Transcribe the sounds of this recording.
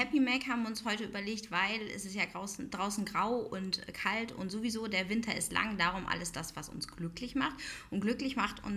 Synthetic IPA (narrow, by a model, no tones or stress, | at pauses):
hɛpimɛkhaːbm̩ʊnshɔʏtəyːbɐleːktv̥aɪlɛ̰sɪstjaːɡʁaʊsn̩d̥ʁaʊsn̩ɡʁaʊʊntkʰaltʰʊ̰ntz̥ovizoːdeːɐvɪntʰɐɪstlʔa̰ŋdaːʁʊmʔa̰ləsd̥asv̥asʊ̰nsɡ̥lʏklɪçmaχtʔʊnɡ̥lʏklɪçmaχtʊ̰n